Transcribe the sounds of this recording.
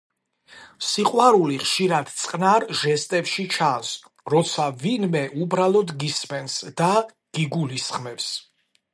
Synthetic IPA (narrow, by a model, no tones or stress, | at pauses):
siqʼwaɾuliχʃiɾad̪t̪sʼqʼnaɾʒɛst̪ʼɛfʃit͡ʃʰas | ɾɔt̪sʰavinmɛʔubɾalˠɔd̪ɡismɛnsd̪̥a | ɡ̥iɡulisχmɛvs